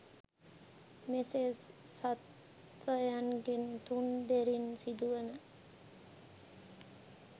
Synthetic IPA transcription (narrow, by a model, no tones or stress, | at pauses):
mesesat̪ | ʋəjanɡent̪und̪eɾinsid̪uʋənə